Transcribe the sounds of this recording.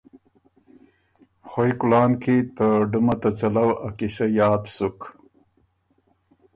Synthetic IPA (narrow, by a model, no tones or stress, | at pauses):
xojkʊlɑːnkʰit̪əɖumat̪at͡ʃalawakiʃajɑːd̪suk